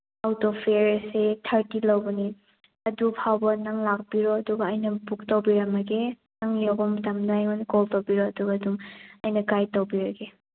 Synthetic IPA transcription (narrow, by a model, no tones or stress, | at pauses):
awtɔpʰeɾsetʰɐɾtilɐwbɔni | ɐdupʰawbɐnaŋlak̚biɾɔɐduɡɐːjnɐbuk̚towbiɾɐmɐɡe | naŋlɔɡɔmtɐmnajŋɔnkɔltowbiɾɔɐduɡaduŋɐjnɐɡajtowbiɾɐɡe